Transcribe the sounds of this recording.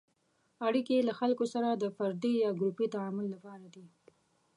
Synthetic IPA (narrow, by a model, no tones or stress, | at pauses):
aɽikelaxalkosaɾad̪əfaɾd̪ijɑɡɾupit̪aamʊlːapɑɾad̪i